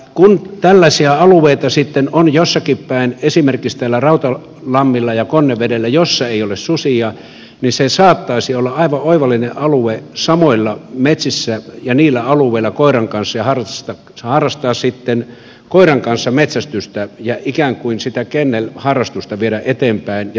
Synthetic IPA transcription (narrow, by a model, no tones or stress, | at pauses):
kunt̪ælːæsiæɑlueit̪ɑsit̪ːenonjosːɑkippæˑinesimerkist̪æːlːærɑut̪ɑ | lɑmːilːɑjɑkonːeʋʋedelːæjosːɑeiolessusiɑ | nisesɑːt̪ːɑisiolːɑʔɑiʋɑoiʋɑlːineʔɑluesɑmoilːɑmet̪sisːæjɑniːlːæɑluˑeilːɑkoiɾɑŋkɑnsːɑjɑhɑrɑt̪ɑ | hɑrːɑst̪ɑːssit̪ːen | koiɾɑŋkɑnsːɑmet̪sæst̪yst̪æjɑikæˑŋkuinsit̪ækenːelhɑrːɑst̪ust̪ɑʋieɾæʔet̪eːmpæinj